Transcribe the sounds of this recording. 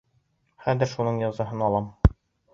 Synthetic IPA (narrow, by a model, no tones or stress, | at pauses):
χæðɘ̆ɾʃunɤɴjɑzɑɦɤnɒlˠɑm